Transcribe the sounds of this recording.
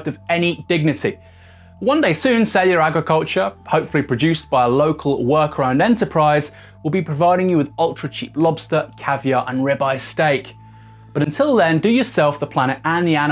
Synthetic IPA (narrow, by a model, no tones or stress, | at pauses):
təvɛnidɪɡ̚nɪtʰi | wʌ̃ndeɪsʉ̃ːnsɛljəɹaɡɹɪkʰʌlˠt͡ʃəhəʊpfəl̩ipʰɹ̥əd͡ʒʉˑsb̥aɪələʊkʰəlˠwɜˑkʰəɹãʊ̃ndɛ̃ntəpʰɹ̥aɪz | wɪlˠbipʰɹ̥əvaɪɾɪ̃ŋjəwɪðɒlˠtɹ̥ət͡ʃʰiˑplɒb̥stəkʰavjəɹʔə̃nɹɛbaɪsteɪk | b̥ʌɾə̃ntʰɪlˠðə̃ndəjəsɛlˠfðəpʰl̥añɪtə̃nðian